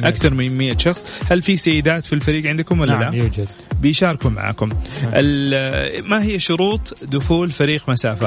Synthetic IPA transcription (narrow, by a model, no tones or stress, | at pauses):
ʔakθɑɾˤmɪmɪjːaʃɑxsˤhalfisajːɪd̪aːt̪filfaɾiːɡʕɪnd̪kʊmwalːalajːd͡ʒad̥̪bɪjʃɑːɾˤɪkuma̰ʕa̰ːkʊmʔɪl | maɦɪjːaʃʊɾuːt̪ˤd̪ʊxuːlfaɾiːqmasaːfa